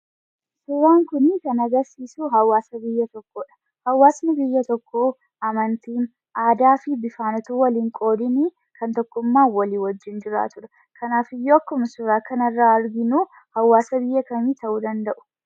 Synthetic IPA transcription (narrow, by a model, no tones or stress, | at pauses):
sʊɾaːŋkʊnkɐnɐɡɐɾsiːsuɦɐwaːsɐbɪjːɐt̪ɔkːoːᶑɐ̥ | hɐwːaːsnɪbɪjːɐt̪ɔkːo | ɐmɐnt̪iːn | ʔaːd̪aːfɪbɪfaːnɔt̪uwɐliːŋkʼo̞ːd̪ɪni | kʰɐnt̪ɔkːʊmːaːwɐliːwɔd͡ʒːɪnd͡ʒɪɾa̰ːt̪ʊɾɐ̥ | kʰɐnaːfɪjːoːɐkːʊmɐsʊɾaːkɐnɐrːaːɐɾɡɪnuː | hɐwːaːsɐbɪjːɐkɐmiːt̪ɐʔuːd̪ɐnd̪ɐʔʊ̥